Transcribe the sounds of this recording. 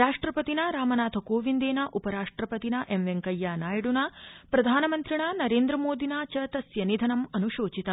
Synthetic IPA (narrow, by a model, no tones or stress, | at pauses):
ɾaːʂʈɾɐpɐt̪inɐɾaːmɐnaːt̪ʰɐkoːʋind̪eːnɐʔupɐɾaːʂʈɾɐpɐt̪inɐʔemʋeŋkɐjːaːnaːjɐɽunɐpɾɐd̪ʱaːnɐmɐnt̪ɾiɳaːnɐɾeːnd̪ɾɐmoːd̪ʱinaːt͡ʃɐt̪ɐsjɐnid̪ʱɐnɐmɐnuʃoːt͡ʃit̪ɐ